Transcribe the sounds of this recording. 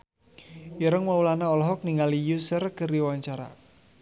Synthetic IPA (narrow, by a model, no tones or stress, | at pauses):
jəɾəŋwaulanaɔlɔɦɔk̚niŋalijusərkəriwaɲt͡ʃaɾa̰